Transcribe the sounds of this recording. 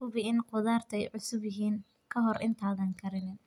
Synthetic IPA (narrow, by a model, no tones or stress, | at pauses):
kʊβɪɪnqʊðaːrt̪ʰɛjʕʊsʊβɪɦiːn | kʰɐɦɔrʔɪnt̪ʰaːðɐŋkʰɐɾɪnɪn